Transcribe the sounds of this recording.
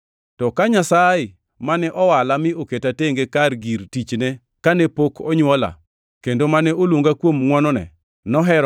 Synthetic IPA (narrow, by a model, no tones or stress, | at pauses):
tɔkaɲasajɪ | manɛʔɔwalamɪoketateŋɡekarɡiɾtit͡ʃne | kanɛpokʰɔɲwɔla̰ | kendomanɛolwoŋɡakwomŋwɔnɔnɛ̰ | nɔɦɛɾ